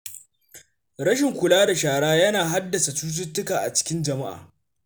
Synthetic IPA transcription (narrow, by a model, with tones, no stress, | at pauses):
ɾɐ˦ʃɪ˨ŋkʷʊ˨laː˦da˨ʃaː˨ɽaː˦jɐ˦naː˨ɦa˦dːɐ˨sa˨t͡ʃuː˦s̬ʊ˦tːʊ˦kaː˨ʔa˨t͡ʃɪ̥˦kʲɪ˦nd͡ʒɐ˨ma˦ʔa̰ː˨